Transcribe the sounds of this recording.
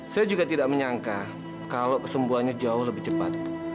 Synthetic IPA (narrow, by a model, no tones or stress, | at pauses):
sajad͡ʒuɡat̪idaʔməɲaŋka | kalokəsəmbuanɲad͡ʒaʊhləbɪht͡ʃəpa̰t̪̚